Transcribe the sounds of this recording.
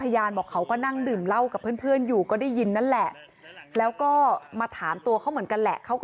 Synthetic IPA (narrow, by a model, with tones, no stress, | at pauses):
a˧jaː˧nbɔː˨˩kʰːa˦˥wkɔː˥˩na˥˩ŋdɯː˨˩mla˥˩wka˨˩pʰːɯ˥˩ənpʰɯ˥˩ənjuː˨˩kɔː˥˩daː˥˩jːi˧nːa˥˩nlɛ˨˩ʔ | lɛː˦˥wkɔː˥˩maː˧t̪ʰaː˩˦mt̪u˧əkʰa˦˥wmɯ˩˦nka˧nlɛ̰˨˩ʔkʰa˦˥wkː